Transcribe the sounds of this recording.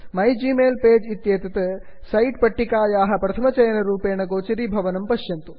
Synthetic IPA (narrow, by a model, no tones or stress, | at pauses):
mɐjd͡ʒiːmeːlpeːd͡ʒit̪jeːt̪ɐt̪ɐ | sɐjʈ̚pɐʈːikaːjaːɦɐ̆pɾɐt̪ʰɐmɐt͡ʃɐjɐnɐɾuːpeːɳɐɡoːt͡ʃiɾibʱɐʋɐnɐmpɐʃjɐnt̪u